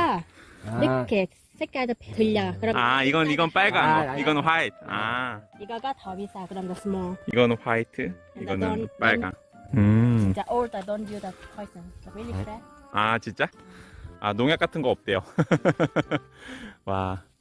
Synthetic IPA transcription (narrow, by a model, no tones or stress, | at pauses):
a | ɾɯkʰːe | sʰek͈aesʰʌptɯʎːaŋakɯɾʌaiɡʌnɯniɡʌnp͈aɭɡaiɡʌnɯnɸwaitʰaiɡaɡatʌbisakɯɾʌmdas͈ɯmoiɡʌnɯnɸwaitʰɯ | iɡʌnɯnp͈aɭɡa | ɯt͡ɕint͡ɕ͈aʔodadondudatpʰajtʰʌnawilisaat͡ɕint͡ɕ͈a | a̰noŋjak͈atʰɯnɡʌʌp̚t͈e̞jo | wa